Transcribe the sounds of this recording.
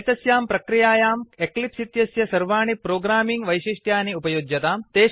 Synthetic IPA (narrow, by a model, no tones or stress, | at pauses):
t̪ɐsjaːmpɾɐkɾijaːjaːmeklipsit̪jɐsjɐsɐɾʋaːɳipɾoːɡɾaːmiŋɡʋɐjʃiʂʈʰjaːniupɐjoːd͡ʒjɐt̪aːmt̪eː